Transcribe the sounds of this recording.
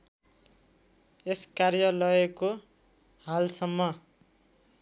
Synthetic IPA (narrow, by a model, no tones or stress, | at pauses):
eskarjʌlʌeko | halsʌmːʌ